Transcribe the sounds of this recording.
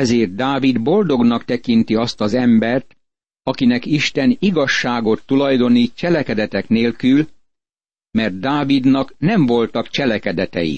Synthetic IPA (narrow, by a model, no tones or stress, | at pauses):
ɛzeːrt̪̚d̪aːvid̪bo̞ld̪o̞ɡnɒkt̪ɛkint̪iɒst̪ɒzɛmbɛrt̪ | ɒkinɛkiʃt̪ɛniɡɒʃːaːɡo̞t̪ːulɒjd̪o̞nit͡ʃɛlɛkɛd̪ɛt̪ɛkneːlkyl | mɛrt̪̚ːaːvid̪nɒknɛɱvo̞lt̪ɒkt͡ʃɛlɛkɛd̪ɛt̪ɛ̰jḭ